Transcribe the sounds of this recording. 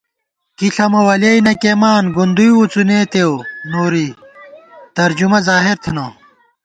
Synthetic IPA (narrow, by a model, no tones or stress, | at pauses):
kiɬɐmɐwɐleinɐkemaːnɡund̪ujwut͡suneːt̪ewnoːɾi | t̪ɐɾd͡ʑumɐzaːɦeɾt̪ʰeno